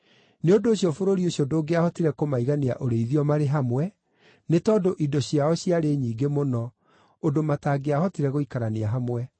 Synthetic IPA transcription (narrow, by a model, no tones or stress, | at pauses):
neodoːɕjɔfoɾoɾioɕjɔdoːɡeahɔtiɾɛkomaiɣanea̰ʔoɾeiðiɔmaɾeɦamwɛ | netɔːdoʔidɔɕiaɔɕiaɾeɲiːɡemonɔ | odomataːɡeahɔtiɾɛɣoikaɾaneaɦamwɛ